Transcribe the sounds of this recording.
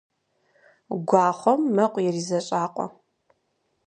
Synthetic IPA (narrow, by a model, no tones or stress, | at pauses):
ɡʷɑːχʷɔmːɐqʷʼjɛriːzɐɕʼaːqʷʼɔ̰